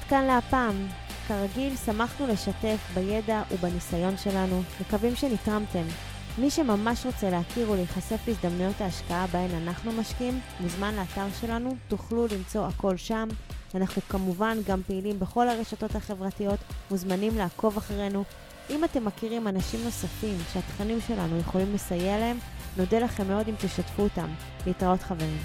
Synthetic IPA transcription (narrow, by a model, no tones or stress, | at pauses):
adkanleapaːm | kaʁaɡilsamaχnule̞ʃate̞fbaje̞daʔubanisajo̞nʃe̞lanumekavimʃe̞nitʁamte̞mː | iʃe̞mamaʃʁo̞t͡se̞leakiʁulejiχase̞flisd̪amnujo̞taːʃkaabae̞nanaχnumaʃkiim | muzmanleːtaʁʃe̞lanutuχlulimt͡so̞ako̞lʃamanaχnukamuvanɡampeilimbeχo̞lhaʁe̞ʃato̞thaχe̞vʁatijo̞tmuzmanimlaːko̞vaχaʁe̞nu | ʔimate̞mːakiʁimanaʃimno̞safimʃeatχanimʃe̞la̰nuje̞χo̞limle̞sajelee̞mno̞delaχe̞mːeo̞dimt̪iʃatfuːtam | leitʁao̞tχave̞ʁim